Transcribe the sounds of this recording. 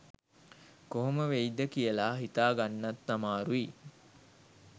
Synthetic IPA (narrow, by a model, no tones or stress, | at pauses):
koɦoməʋejd̪əkijəlaːɦit̪aːɡanːɐt̪ːamaːɾui